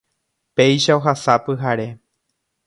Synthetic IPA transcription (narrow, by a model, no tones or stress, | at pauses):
pe̞jʃaoɦasapɨɦaɾe̞